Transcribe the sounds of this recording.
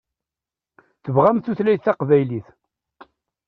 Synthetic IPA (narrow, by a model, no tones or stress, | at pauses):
θəvʁæmθuθlæjθæqvæjliθ